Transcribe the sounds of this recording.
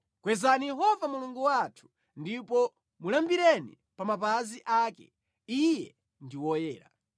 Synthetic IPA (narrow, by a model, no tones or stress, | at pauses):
kwɛzanijɛɦɔvamuluŋɡɔwatʰu̥ | ndipɔ | mulambiɾɛnḭ | pamapaziʔaːkɛ̰ | ijɛ | ndiwɔjɛːɾa̰